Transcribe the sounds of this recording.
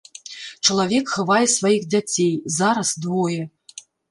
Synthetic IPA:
t͡ʃəlˠavʲekxɤ̆vɑjɛsvajixdʲatʲejzɑɾasd̪vojɛ

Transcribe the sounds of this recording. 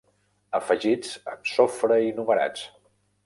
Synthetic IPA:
əfəʒid͡zəmsofɾəinuməɾa̰t͡s

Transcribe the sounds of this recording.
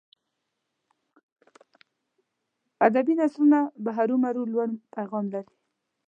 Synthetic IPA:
ad̪abinasɾunabaɦaɾumaɾulwanpajɣɑmlaɾi

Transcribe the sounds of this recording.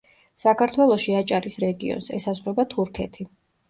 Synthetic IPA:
sakʰaɾt̪ʰwɛlˠɔʃiat͡ʃʼaɾisɾɛɡḭɔ̰nsɛ̰sazvɾɔbat̪ʰuɾkʰɛt̪ʰi

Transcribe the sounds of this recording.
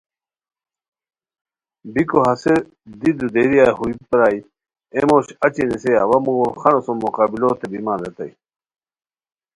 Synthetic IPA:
bikoɦɐse | d̪id̪ud̪eɾijaːhuipɾaːj | emoːɕɐt͡ɕineseawɐmuɡoxɐnosomoqaːbiloːt̪ebimãːnd̪et̪ɐ̰j

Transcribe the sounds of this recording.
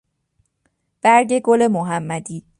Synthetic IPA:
b̥æɾɟe̞ɡole̞moɦæmːæd̪iː

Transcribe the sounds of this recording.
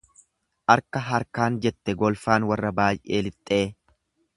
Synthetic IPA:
ʔɐɾkːɐɦɐɾkaːnd͡ʒɛt̪ːɛɡɔlfaːnwɐrːɐbaːjʔe̞ːlɪt̪ʼːe̞ː

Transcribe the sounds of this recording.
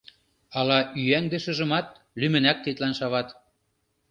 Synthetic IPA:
ɑlɑʔyæŋd̪eʃə̆ʒɤ̆mɑt̪̚ | lymɘ̆næk̚t̪it̪lænʃɑβɑt̪

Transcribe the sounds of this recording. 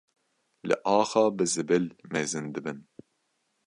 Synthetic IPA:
lɨ̰ʔɑːxɑːbɨzɨbɨlmɛzɨnd̪ɨbɨn

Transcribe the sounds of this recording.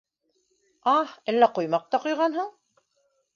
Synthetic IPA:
ɑhelːæqŏjmɑq̚t̪ɑqojʁɑnɦoɴ

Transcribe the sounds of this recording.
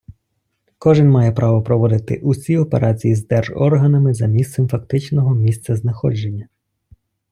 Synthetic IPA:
kɔʒɪnmɑjɛpɾʔɑʋɔpɾɔʋɔd̪ɪt̪ɪ̰ʔusʲiɔpeɾʔɑt͡sʲijizd̪ɛrʒɔ̰rɦɐnɐmɪzɐmʲist̪sɛmfɐk̚t̪ɪt͡ʃnɔɦɔmʲist̪sɐznɐxɔd͡ʒenʲːɐ

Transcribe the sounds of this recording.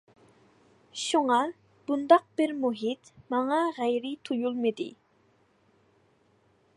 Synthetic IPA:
ʃuŋɑ | b̥und̪ɑq̚b̥ɪɾmuɦit̪mɑŋɑʁæjɾɪt̪ʰujulˠmɨd̪ɪ̰

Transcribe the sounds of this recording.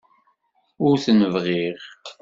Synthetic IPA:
ʊɾθənəvʁiʁ

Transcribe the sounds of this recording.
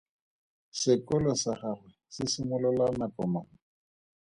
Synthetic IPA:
sɪkʊlɔsaχarwɛsɪsɪmʊlʊlanapɔmaːŋ̩

